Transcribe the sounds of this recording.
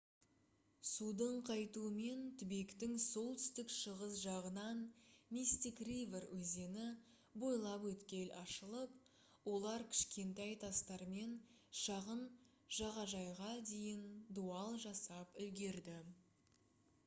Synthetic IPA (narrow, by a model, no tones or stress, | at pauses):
sud̪əɴqʰɑjt̪uəme̞nt̪ʰʏbekt̪ɪŋso̞lˠt̪ʏ̥st̪ɪkʃəʁəsʒɑʁənɑnmist̪ikriverwɵze̞nɪ | bo̞jlˠɑpwɵt̪kʲe̞lʔɑʃəlˠəp̚ | wo̞lˠɑɾkʲʰɪ̥ʃkʲe̞nt̪æjt̪ʰɑst̪ɑɾme̞n | ʃɑʁən | ʒ̥ɑʁɑʒɑjʁɑd̪e̞jɪnd̪uɑlˠʒɑsɑpʏlɡʲe̞ɾd̪ɪ